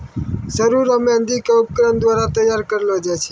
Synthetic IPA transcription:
səɾuɾəmẽənd̪ikeup̚kɾənd̪ʋaɾat̪əjaɾkəɾelod͡ʒet͡ʃʰe

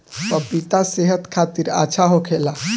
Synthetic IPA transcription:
pəpit̪aseɦət̪kʰat̪iɾa̰t͡ʃʰaɦokʰela

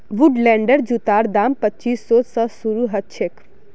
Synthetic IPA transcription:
ʋʊɖlɛ̃ːɳɖəɾd͡ʒut̪aːɾd̪aːmpətːt͡ʃiːsːoːsəsuɾuɦɐt̪̚t͡ʃʰek

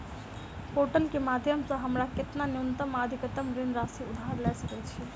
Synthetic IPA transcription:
poːʈəlkemaːd̪ʱjəmsɐ̃ɦɐmɾakɪt̪nanjunt̪əmaːd̪ʱikət̪əmɾɪnɾaːsiʊd̪ʱaɾlasɐkɛt͡ʃʰie

